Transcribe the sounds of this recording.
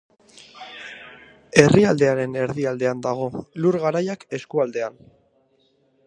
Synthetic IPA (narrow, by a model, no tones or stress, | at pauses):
e̞riald̪e̞aɾe̞ne̞ɾðiald̪e̞and̪aɣ̞o̞luɾɣaɾajake̞skuald̪e̞an